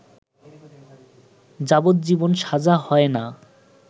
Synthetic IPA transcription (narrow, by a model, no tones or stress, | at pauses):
d͡ʑabot̪̚d͡ʑibonʃad͡ʑaɦɔena